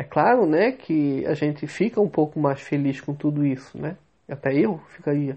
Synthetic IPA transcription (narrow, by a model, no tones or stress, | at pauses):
ɛklaɾʊnɛkʰɪa̰ʒẽnt̪ɪfikɐũpowkʊmajsfeliʃkõt̪ud̪ʊisʊnɛ | at̪ɛewfikaɾiɐ